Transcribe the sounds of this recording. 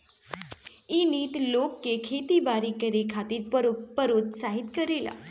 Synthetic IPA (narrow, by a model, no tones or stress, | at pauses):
iniːt̪lokːekʰet̪ibaɾikəɾekʰat̪iːɾpəɾot̪saɦit̪kəɾela̰